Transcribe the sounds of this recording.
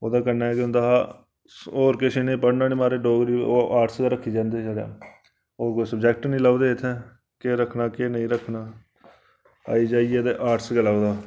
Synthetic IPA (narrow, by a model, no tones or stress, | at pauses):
oːd̪aːkəɾnaːɛkɪʊ̃nd̪aːaː | oːɾkeːʃiːnẽːpəɽnaːneːmaːɾeːɖoːɡɾiːoːʔaːɾʈsd̪aːɾəkʰːiːd͡ʒãːnd̪eːt͡ʃaːɽa̰ː | oːɾkoːisəbd͡ʒɛːk̚ʈnĩːlaːud̪eːɪt̪ʰːɛː | keːɾəkʰnaːkeːnəĩːɾəkʰnaː | a̰ːiːd͡ʒaːieːd̪eʔaːɾʈsɡəlaːud̪aː